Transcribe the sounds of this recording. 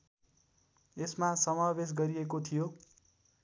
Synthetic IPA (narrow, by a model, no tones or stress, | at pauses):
esmasʌmabes̬ɡʌɾiekot̪ʰijo